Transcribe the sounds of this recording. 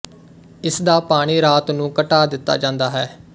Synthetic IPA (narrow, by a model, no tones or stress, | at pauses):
ɪsd̪aːpaːɽ̃iːɾaːt̪nũːkəʈaːd̪ɪt̪ːa̰ːd͡ʒãːnd̪aːɦɛː